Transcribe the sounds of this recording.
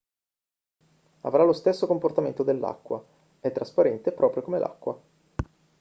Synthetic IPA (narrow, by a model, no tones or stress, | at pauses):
a̰vɾalost̪esːokomport̪ament̪od̪elːa̰kːwa̰ | ɛt̪ːɾaspaɾɛnt̪epɾʔɔːpɾjokomelʔa̰kːwa